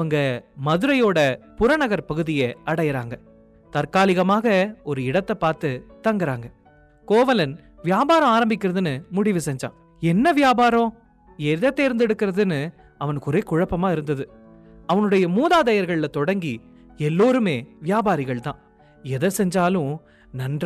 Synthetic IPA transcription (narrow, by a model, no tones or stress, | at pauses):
ɐɐŋɡɐmɐðɯɾɐjoːɽɐpʊɾɐnɐɣɐɾpɐɣɯðɪjɐɐɽɐjɪɾa̰ːŋɡɐ | t̪ɐɾkaːlɪɣɐmaːɣɐɔɾɯɪɽɐt̪ːɐpaːɾt̪ɯt̪ɐŋɡɪɾaːŋɡɐ | koːʋɐlɐn | ʋɪjaːbaːɾɐ̃aːɾɐmbɪkːɪɾɐðɯnɯmʊɽɪʋɯsɛɲd͡ʒa̰ː | ɛnːɐʋɪjaːbaːɾõ | ɛðɐt̪ːeɪɾɯnd̪ɛɽɯkːɪɾɐðɯnɯ | ɐʋɐnɯkːʊɾeːkʊɻɐpːɐmaːɪɾɯnd̪ɐðɯ | ɐʋɐnɯɽɐjɐmuːðaːðɐjɐɾɣɐɭɪlɐt̪ɔɽɐŋɡi | ɛlːoːɾɯmeːʋɪjaːbaːɾɪɣɐɭt̪ã̰ː | ɛðɐsɛɲd͡ʒaːlʊ̃ | nɐndra